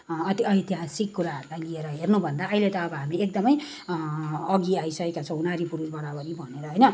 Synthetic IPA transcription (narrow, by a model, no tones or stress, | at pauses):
ʌt̪ʌjt̪iɦasikːuɾaɦʌɾulajlieɾʌɦernubʱʌnd̪aʌilet̪ʌːbʌɦamiek̚d̪ʌmʌj | ʌɡiaisʌkekat͡sʰʌ̃unaɾipuɾusbʌɾabʌɾibʱʌneɾʌɦʌjnʌ